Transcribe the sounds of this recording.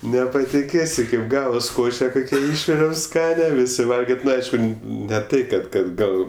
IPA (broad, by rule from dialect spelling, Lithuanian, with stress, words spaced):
nʲɛpɐtʲɪˈkʲeːsʲɪ kɐɪp ˈɡɑːʋɐs ˈkoːʃʲɛ ˈkoːkʲɛ ˈɪʃʲʋʲɪrʲɛʊ ˈskɑːnʲɛ ˈʋʲɪsʲɪ ˈʋɐlʲɡʲɪtʲ ˈnʊ ˈɐɪʃkʊ nʲɛ ˈtɐɪ kɐt ˈkɐt ˈɡɐlˠ